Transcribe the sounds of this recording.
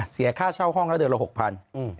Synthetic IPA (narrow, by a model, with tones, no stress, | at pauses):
si˨˩˦ɐkʰaː˥˩t͡ɕʰa˥˩wɦɔ˥˩ŋlɛ˦˥dɯ˧ənla˧ho˨˩k̚pʰa˧n˧˩